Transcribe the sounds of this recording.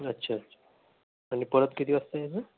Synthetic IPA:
ətːɕʰatːɕʰḁː | ɽ̃ipəɾət̪kit̪iːəst̪əjed͡zə

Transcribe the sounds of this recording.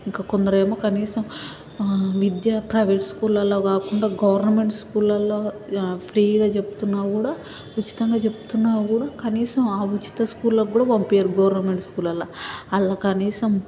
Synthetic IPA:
iŋkaːkond̪ɐɾeːmoːkɐniːsɐm | ʋid̪jɐpɾɐjʋeːʈskuːlɐlːoːkaːkuɳɖaːɡɐʋɐɾnɐme̞ɳʈskuːlɐlːoːpʰɾiːɡaːt͡ʃe̞bu̥t̪unːaːkuːɽaː | ut͡ʃːi̥t̪ɐŋɡaːt͡ʃe̞pu̥t̪unːaːkuːɽaːkɐniːsɐmaːut͡ʃi̥t̪ɐskuːlːɐɡuːɽaːʋɐmpijɐɾɡɐʋɐɾnɐme̞ɳʈskuːlɐlaɐlːaːkɐniːsɐm

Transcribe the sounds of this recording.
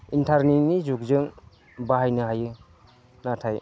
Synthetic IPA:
intʰaɾninizuk̚zɯŋ | baɦajnɯɦajɯ | natʰaj

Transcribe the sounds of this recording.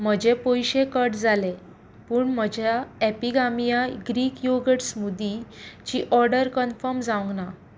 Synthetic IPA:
m̤əd͡ʑepojɕekəʈd͡zale | puːɳm̤əd͡ʑʱaɛpiɡamijaɡɾiːkjoɡəʈsmud̪it͡ɕiːʔɔɾɖəɾkənfəɾmd͡zawŋɡna

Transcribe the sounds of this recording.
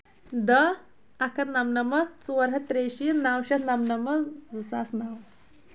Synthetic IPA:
d̪ə | ɐkʰɐt̪nɐmnɐmɐt͡suʋɐɾɦɐt̪ɾeːʃinawʃɐt̪nɐmnɐmɐd͡zɨsaːsnaːw

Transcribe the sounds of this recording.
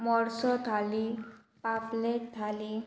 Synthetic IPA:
mɔɾsɔt̪ʰali | papleʈ̚t̪ʰali

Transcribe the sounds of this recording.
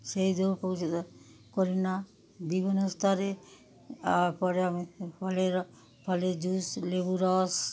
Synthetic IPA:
ʃejd̪ʱoɾpowt͡ʃ̪koɾina | bibʱinost̪ʰaɾe | apɔɾeamipʰɔleɾ | pʰɔled͡ʑuslebuɾɔs

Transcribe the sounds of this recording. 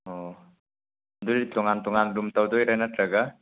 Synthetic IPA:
ɔ | dulitɔŋantɔŋandumtawd̪ɔjɾanatɾaɡa

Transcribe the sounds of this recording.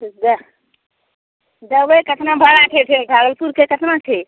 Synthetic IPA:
d̪ə | d̪əʋekət̪ʰnãbʱəɾaʈʰeʈʰeʈʰaɡəlpuɾkʰekət̪ʰnãʈʰe

